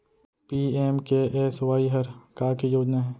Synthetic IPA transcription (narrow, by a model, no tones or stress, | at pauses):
piːeːmkeʔeːswaːiɦəɾkaːkejoːd͡ʒnaɦɛː